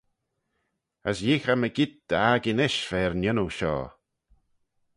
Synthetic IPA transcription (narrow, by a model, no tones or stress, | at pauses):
əsjixaməɡɪd̪̚d̪̥əaɡɪnɪʃfɛːɹnɪnuʃɔ̰ː